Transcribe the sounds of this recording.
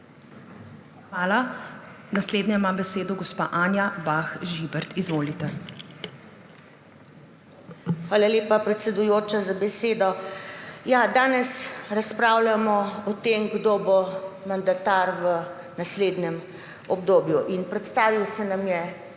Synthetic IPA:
xʋaːla | nasleːd̪nɛmabɛseːd̪ɔɡɔspa̰ːʔaːnjabaxʒibɛɾt̪izʋoːlit̪ɛ | xʋaːlaleːpapɾɛt̪sɛd̪ujoːt͡ʃazabɛseːd̪ɔ | jad̪aːnɛsɾaspɾaːwlamɔɔt̪emɡd̪oːbomand̪at̪aɾʋə | nasleːd̪nɛm | ɔbd̪oːbjuʔinpɾɛt̪st̪aːʋiwsɛnamjɛ

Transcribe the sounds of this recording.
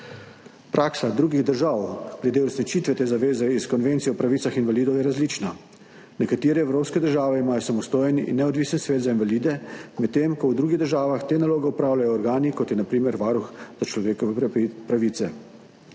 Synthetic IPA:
pɾʔaːksad̪ɾuːɡiɣd̪əɾʒawɡ̥lɛd̪eɔɾsnit͡ʃiːt̪ʋɛt̪eːzaʋeːzɛiskɔnʋent̪siɔɔpɾaʋiːt̪saxinʋaliːd̪ɔwjɛɾazlit͡ʃna | nɛkat̪iːɾɛːwɾoːpskɛd̪əɾʒaːʋɛimaːjɔsamɔst̪oːjɛnḭnːɛɔd̪ʋiːsənsʋeːt̪zainʋalid̪ɛmɛt̪t̪ːeːmkɔwd̪ɾuːɡiɣd̪əɾʒaːʋaxt̪eːnaloːɡɛupɾaːwlajɔːɾɡaːnikɔt̪jɛnapɾiːmɛɾʋaːɾuxz̥at͡ʃlɔʋeːkɔʋɛpɾaʋiːt̪sɛ

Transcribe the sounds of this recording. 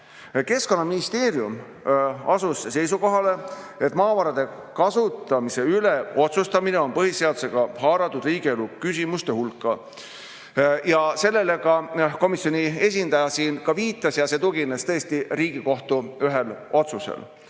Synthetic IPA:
ke̞sko̞nːɑminist̪e̞ːɾjum | ɑsusse̞jsuko̞ɦɑle̞e̞t̪ːˑmɑːvɑɾɑd̪̥e̞ | kɑsut̪ːˑɑmise̞yle̞o̞t̪sust̪ɑmine̞o̞npɤɦisːe̞ɑd̪use̞ɡ̥ɑɦɑːɾɑt̪ːˑud̪riːɡ̥ielukys̬ʲimust̪ehulkːˑɑ | jɑse̞lːe̞le̞kɑko̞misjo̞nie̞sʲind̪̥ɑjɑsiːnkɑviːt̪ːˑɑsjɑse̞t̪ukinest̪ɤ̞est̪iriːɡiko̞ht̪uyɦelo̞t̪susḛl

